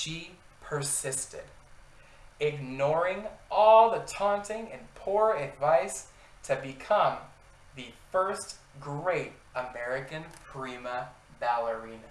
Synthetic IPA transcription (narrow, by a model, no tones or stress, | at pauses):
ʃi | pʰə˞sɪstɪ̰ɾ | ɪɡ̚nɔɹɪ̃ŋʔɔlˠðɨtʰɑ̃ntɪ̃ŋɨ̃npʰuɹɨdvaɪs | tʰɨbɨkʰʌ̃m | ðɨfɜ˞st | ɡ̥ɹeɪɾ | əmɛɹɨkɨ̃npʰɹ̥imə | bælˠə˞ĩn